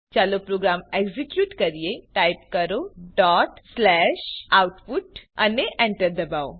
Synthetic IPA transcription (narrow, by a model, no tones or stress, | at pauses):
t͡ɕalopɾoɡɾameɡzikjuːʈkəɾijeʈajpkəɾoɖɔʈslɛʃawʈfuʈaneʔɛ̃ɳʈəɾd̪əbao